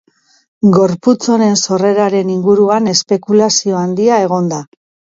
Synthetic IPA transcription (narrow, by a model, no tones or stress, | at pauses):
ɡo̞ɾput͡so̞ne̞nso̞re̞ɾaɾe̞niŋɡuɾuane̞spe̞kulasio̞and̪iae̞ɣ̞o̞nd̪a